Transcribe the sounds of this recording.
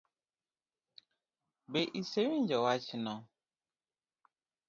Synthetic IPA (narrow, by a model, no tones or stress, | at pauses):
beʔisewind͡ʒɔwat͡ʃinɔ